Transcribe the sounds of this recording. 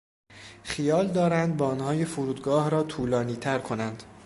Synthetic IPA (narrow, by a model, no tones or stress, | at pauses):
χijɒːld̪ɒːɾænd̪̚bɒːnhɒːjefuɾuːd̪ɡɒːhɾɒːt̪ʰuːlɒːniːt̪ʰæɾkʰo̞nænd̪̥